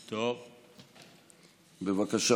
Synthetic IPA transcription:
t̪ov | bevakaʃa

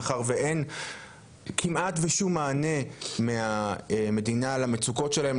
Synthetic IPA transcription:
χaʁveʔen | kʰimatveʃumːaːne̞meame̞dinalamet͡suko̞tʃelaem

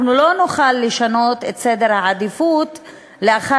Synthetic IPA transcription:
nulo̞nuχalːeʃano̞t̪e̞t̪se̞d̪e̞ʁhaad̪ifut | leaχa

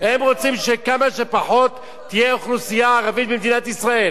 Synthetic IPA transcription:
hemʁot͡simʃekamaʃepaħo̞t̪ː | ijeoχlusijaːʁavit̪̚bemd̪inat̪isʁael

